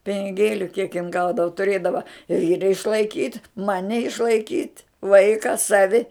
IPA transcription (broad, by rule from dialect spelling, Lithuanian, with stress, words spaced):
pʲɪnʲɪˈɡʲeːlʲʊ kʲiɛk jɪn ˈɡɐʊdɐʋɐ tʊˈrʲeːdɐʋɐ ˈʋʲiːrɐ ɪʃlˠɐɪˈkʲiːtʲ ˈmɑːnʲɪ ɪʃlˠɐɪˈkʲiːtʲ ˈʋɐɪkɐ ˈsɑːʋʲɪ